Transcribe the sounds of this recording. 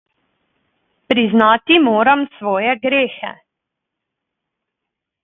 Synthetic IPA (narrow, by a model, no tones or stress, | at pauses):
pɾiznaːt̪imoːɾamsʋɔːjɛɡɾeːxɛ̰